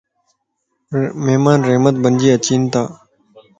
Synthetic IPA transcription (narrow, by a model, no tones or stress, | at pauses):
memanreʔmət̪̚bənd͡ʑiat͡ɕint̪aʔ